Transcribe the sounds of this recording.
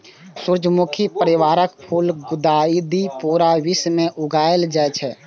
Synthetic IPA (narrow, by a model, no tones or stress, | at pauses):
suɾd͡ʒmukʰipəɾɪʋaːɾəkpʰulɡʊd̪aid̪ipuːɾaʋismẽʔʊɡʱaːjəld͡ʒaɛt͡ʃʰɛ